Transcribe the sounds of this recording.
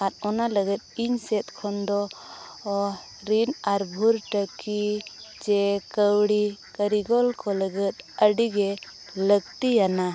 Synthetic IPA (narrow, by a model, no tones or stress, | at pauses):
at̪̚ˀɔnaləɡət̪̚iɲsɛt̪̚kʰɔnd̪ɔ | ɾinaɾbʱuɾʈəki | d͡ʒɛkəwɽikəɾiɡɔlkɔləɡət̪̚əɖiɡɛ | ləɡt̪ijana